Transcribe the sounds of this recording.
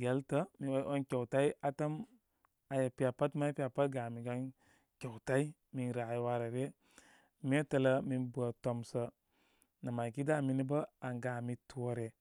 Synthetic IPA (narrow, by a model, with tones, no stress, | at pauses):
ɡe˦ltə˦mi˨o˦ʔo˦nke˨wta˦i˦ʔa˨ta˦m | a˨ja˨pi˨a˨pa˦tma˦i˦pi˦a˨pa˦t̚ɡa˨mi˨ɡa˦n | ke˨wta˦i˦ | mi˦nɾa˨i˦wa˦ɾa˨ɾe˦ | m˦e˦tə˨lə˦mi˨nbu˨a˨to˨msə˦ | na˨ma˨ki˦da˦˨mi˦ni˦bə˦a˨ŋɡa˨mi˦tu˦o˦ɾe˨